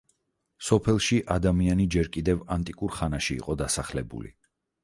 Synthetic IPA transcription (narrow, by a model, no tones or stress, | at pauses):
sɔpʰɛlˠʃiʔad̪amianid͡ʒɛɾkʼid̪ɛvant̪ʼikʼuɾχanaʃḭːqʼɔd̪asaχlɛbṵlḭ